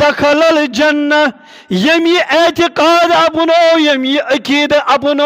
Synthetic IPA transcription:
ɐxɐlɐld͡ʒɐnːɐ | jɐmiʔet̪iqaːd̪ɐpunojɐmiʔɐkiːd̪ʔɐpuno

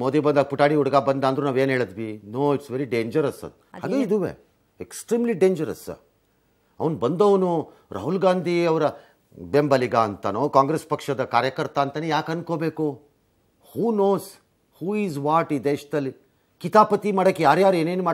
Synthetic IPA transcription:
moːd̪ibɐnd̪aɡɐpuʈaːɽiuɽɐɡaːbɐnd̪aːnd̪ɾunaːʋeːnɦeːɭɐd̪ʋinoːiʈsʋeɾiɖeːɲd͡ʒɐɾɐsɐ̰ | haːɡeid̪uʋḛː | eksʈɾiːmliɖeːɲd͡ʒɐɾɐ̰sɐ̰ | ɐ̰ʋɐnbɐnd̪ɐʋɐnu | ɾʔɐ̰ɦulɡaːnd̪ʱiɐʋɐɾɐ | bembɐliɡaːnt̪ɐnoːkaːŋɡɾespɐkʂɐd̪ɐkaːɾjɐkɐɾt̪aːnt̪ɐnːejaːkɐnkoːbeːku | huːnoːs | huːiːzʋaːʈid̪eːʃɐd̪ɐlːi | kit̪aːpɐt̪imɐːɽɐkːejaːɾjaːɾueːne̞ːnumaː

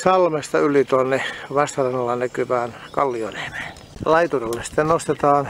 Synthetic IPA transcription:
sɑlmest̪ɑylit̪uonːeʋɑst̪ɑrɑnːɑlːɑnækyʋæːnkɑlːionehʋe̥ːn | lɑit̪urelːessi̥t̪ːennost̪et̪ɑːn

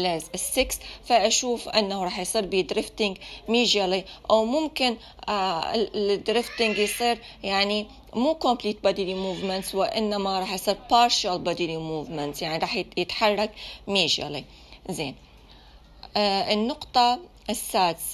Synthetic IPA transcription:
lazɪsːɪksfaʔaʃuːfʔɪ̰nːahuɾˤɑːħjsˤiːɾbid̪ɾɪft̪ɪŋɡmiːʒaliʔawmʊmkɪn | d̪ɾɪft̪ɪŋɡjsˤiːɾ | jaʕni | muːkʊmpliːt̪̚bad̪ilimuːvmɪnt̪swɪʔɪnːamaɾˤɑːħjsˤiːɾpɑːɾˤʃalbad̪ilimuːvmɪnt̪sjaʕniɾˤɑːħjɪt̪ħɑrˤːɑkmiːʒa̰lḭ | zeːn | ɪnːʊqt̪ˤɑ | sːaːd̪s

